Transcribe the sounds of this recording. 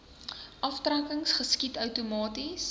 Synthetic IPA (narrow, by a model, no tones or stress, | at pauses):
ʔɐftrækəŋsχəskitœwtumɑːtis